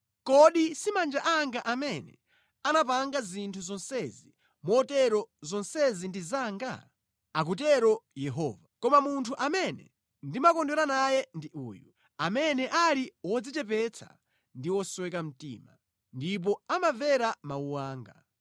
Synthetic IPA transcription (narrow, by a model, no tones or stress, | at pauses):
kɔɗisimand͡ʒaʔaŋɡaʔamɛnɛ̰ | anap̬aŋɡazintʰuzɔnsɛzi | mɔtɛɾɔzɔnsɛzindizaːŋɡa̰ | ak̬ut̬ɛɾɔjɛɦɔːvakɔmamuntʰuʔamɛnɛ̰ | ndimakɔndɛɾanajɛndiʔṵːju | amɛnɛʔaɾiwɔd͡zit͡ʃɛp̬ɛt͡sʰa̰ | ndiwɔswɛkam̩tḭːma | ndip̬ɔamavɛɾamauwaːŋɡa̰